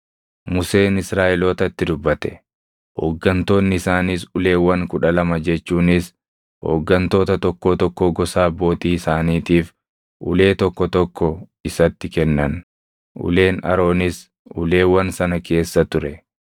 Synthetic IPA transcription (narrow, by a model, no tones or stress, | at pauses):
mʊse̞ːnɪsɾaːʔɛloːt̪ɐt̪ːɪd̪ʊbːɐt̪ɛ̥ | ho̰ːɡːɐnt̪o̞ːnːɪɪsaːnɪsʊle̞ːwːɐŋkʊᶑɐlɐmɐd͡ʒɛt͡ʃːuːnɪs | ho̰ːɡːɐnt̪o̞ːt̪ɐt̪ɔkːoːt̪ɔkːoɡɔsaːbo̞ːt̪iːɪsaːniːt̪iːf | ʔʊ̰le̞ːt̪ɔkːɔt̪ɔkːɔɪsɐt̪ːɪkɛnːɐn | ʔʊ̰le̞ːnɐ̰ɾo̞ːnɪs | ʔʊle̞ːwɐnsɐnɐke̞ːsːɐt̪ʊɾɛ